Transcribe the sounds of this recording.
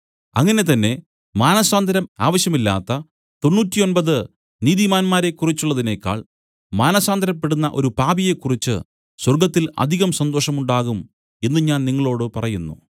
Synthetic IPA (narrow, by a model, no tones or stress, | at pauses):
ɐ̰ŋːɐne̞t̪ɐnːe̞ | maːnɐsaːnd̪ʱɐɾɐma̰ːʋɐɕjɐmilːa̰ːt̪ːɐ | t̪o̞nːuːtːio̞nbɐðɨ | niːðimaːnmaːɾe̞kːurit͡ɕːuɭːɐðine̞ːkːa̰ːɭ | maːnɐsaːnd̪ʱɐɾɐpːe̞ɽunːɐʔo̞̰ɾupaːbije̞kːurit͡ɕːɨ̰ | swɐrɡɐt̪ːilɐ̰d̪ʱiɣɐmsɐnd̪oːʂɐmuɳɖaːɣum | e̞nːɨɲaːnniŋːɐɭo̞ːɽɨpɐrɐjunːṵ